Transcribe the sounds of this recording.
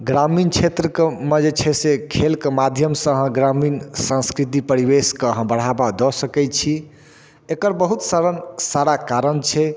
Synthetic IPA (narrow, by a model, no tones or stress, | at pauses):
ɡɾamint͡ʃʰet̪ɾəkmed͡ʒet͡ʃʰɛsekʰelkemad̪ʱjəmsə̃ɦɡɾaminsə̃skɾit̪̬ipəɾibeskəɦə̃bəɽ̤abad̪ɔsəkɛt͡ʃʰi | ekəɾbəɦut̪saɾənsaɾakaɾənt͡ʃʰɛ